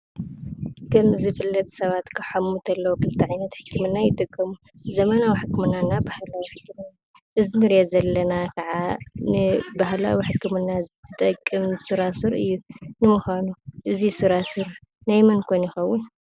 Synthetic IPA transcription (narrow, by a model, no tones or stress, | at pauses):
kʰɐmzɨfɨlːɐt̪ʰʼsɐβat̪kʰɐħamːut̪ʰɐlːɐwokʰɨlt̪ʰiʕajnɐt̪ħɨkːɨmɨnːajɪt̪ʼɨkʼːɐmu | zɐmɐnawiħɨkʰːɨmɨnːanːabahlawiħɨkːɨmɨnːa | ʔɨzinɨɾjazɐlːɐnakʰɐʕanɨbahla̰wiħɨkːɨmɨnːaɨt̪ʼɐkʼːɨmsɨɾasɨɾɨ̰jːunɨmuxanuʔɨzisɨɾasɨɾ | najmɐnkʰojnjɪxɐwːun